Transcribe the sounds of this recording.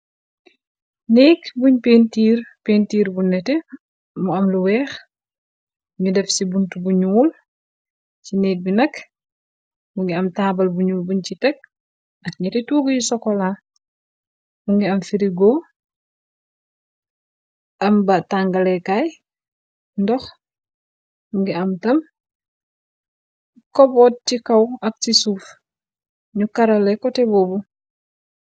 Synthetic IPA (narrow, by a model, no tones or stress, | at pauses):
nɛːkbuɲpeːntiːrpeːntiːɾbunːɛtɛ | muɐmluwɛːx | ɲudɛfsibuntubuɲuːl | cinɛːk̚binɐk | muŋɡiɐmtaːbɐlbuɲuːlbuɲcitɛk̚ | ɐk̚ɲɐtɛtuːɡɐjusɔkːɔla | muŋɡiɐmfiɾiɡo | ʔɐmbataŋɡɐlɛkaj | ndɔx | muŋɡiɐmtɐm | kɔbɔt̚tikɐwɐk̚tisuːf | ɲukɐɾɐlɛkɔtɛbɔbu